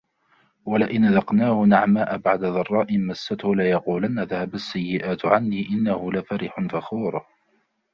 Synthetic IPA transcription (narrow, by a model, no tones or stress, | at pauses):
walɪʔɪnʔaðɑqnaːhʊnaʕmaːʔabaʕd̪aðɑrˤːɑːʔɪnmasːat̪hʊlɪjɑquːlanːaðahabasːajːɪʔaːt̪ʕanːiːʔɪnːahʊlafaɾɪħʊnfaxuːɾˤ